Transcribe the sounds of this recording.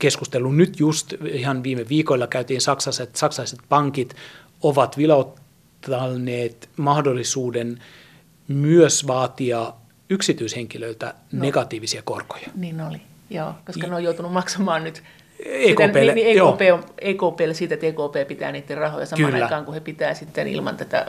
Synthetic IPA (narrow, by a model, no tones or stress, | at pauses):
keskust̪elːunyt̪just̪ihɑnʋiːmeʋiːkolːɑkæyt̪iːnsɑksɑset̪sɑksɑɑiset̪̚pɑŋkit̪ | oʋɑt̪ʋilot̪ː | ɑnːeːt̪mɑhdolːisuːden | myøsʋɑːt̪iɑ | yksit̪yisheŋkiløilt̪æ̰neɡɑt̪iːʋisiɑko̰rko̥jɑniːnoli | jo̰ːkoskɑneojout̪unumɑksɑmɑːnnyt̪ | eːitk̪æeːlnieːjooːpeːoeːkoːpeːlːesiːt̪et̪eːkoːpeːpit̪æ̰ːniːt̪ːerrɑho̰jɑsɑmkyɑːlɑːækɑːŋkuhepit̪æːsit̪ːenḭlmɑ̰nt̪æt̪æ̰